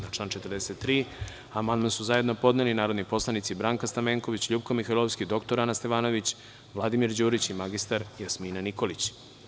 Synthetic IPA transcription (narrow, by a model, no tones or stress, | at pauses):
nat͡ʃlaːnt͡ʃe̞t̪ərd̪eset̪ːɾiː | amand̪mansuzaje̞d̪no̞po̞d̪nelinaːɾod̪nipo̞slˠanit̪sibɾaːŋkast̪ameːŋkoʋit͡ɕʎuːbkomixailoʋskid̪o̞kt̪oɾanast̪e̞ʋaːno̞ʋit͡ɕ | ʋlˠad̪imiɾd͡ʑuːɾit͡ɕimaɡist̪aɾjasmiːnaniko̞lit͡ɕ